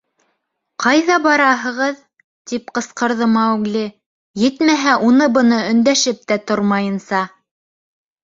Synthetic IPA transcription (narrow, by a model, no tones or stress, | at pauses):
qɑjðɑbɑɾɑɦɤ̆ʁɤð | t̪ip̚qɤ̆sqɤ̆ɾðɤmɑwɡlʲi | jɘ̆t̪mæɦæʔunɤbɤ̆nɤɵ̆nd̪æʃɘp̚t̪æt̪oɾmɑjɤ̆nsɑ